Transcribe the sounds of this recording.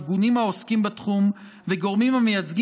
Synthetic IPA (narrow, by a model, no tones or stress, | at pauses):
ɡunimhao̞skimbatχum | veɡo̞ʁmimhamejat͡sɡ